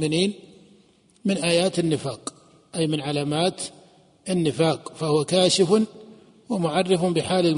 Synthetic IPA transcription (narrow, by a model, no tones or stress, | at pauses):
mɪniːn | mɪnʔaːjaːt̪ɪnːɪfaːq | ʔajmɪnʕalaːmaːt̪ | ʔɪnːɪfaːqfahʊwakaːʃɪfʊn | wamʊʕɑrˤːɑfʊnbɪħaːlɪl